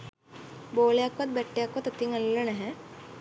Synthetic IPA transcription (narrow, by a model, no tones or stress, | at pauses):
boːlejakʋɐt̪̚bɛʈːejakːʋɐt̪ɐt̪iŋɐlːɐnɛɦɛ̃